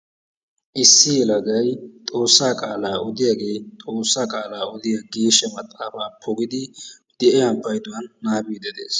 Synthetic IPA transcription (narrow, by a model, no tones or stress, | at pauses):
ʔɪsːɪjɛlɐɡɐjt̪ʼo̞ːsːaːkʼaːlaːʔɔd̪ɪjɐɡe̞ːt̪ʼo̞ːsːaːkʼaːlaːɔd̪ɪjɐɡiːʃɛmɐt̪ʼːaːfaːpʰɔɡɪd̪ɪ | d̪̥ɛʔɛɐmpːɐjd̪ʊwɐnːaːbiːd̪ɛd̪ḛːs